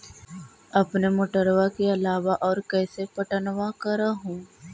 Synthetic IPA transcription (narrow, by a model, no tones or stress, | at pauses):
ɐpnemoʈəɾʋakeɐlaːʋaʔɔːɾkɛːsepɐʈənʋakɐɾaɦũː